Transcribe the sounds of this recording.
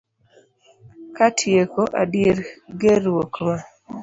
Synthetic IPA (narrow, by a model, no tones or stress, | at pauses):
katʰjekoʔa̰djeɾɡeɾwokma